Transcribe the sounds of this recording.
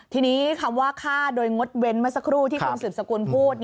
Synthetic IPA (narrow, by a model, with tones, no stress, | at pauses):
t̪ʰiː˧niː˦˥kʰa˧mwaː˥˩kʰaː˥˩doː˧jŋo˦˥t̪̚we˧nma˦˥˩sa˧˥kʰɾuː˥˩t̪ʰiː˥˩o˧nsɯː˨˩p̚sa˧kuː˧npʰuː˥˩t̪̚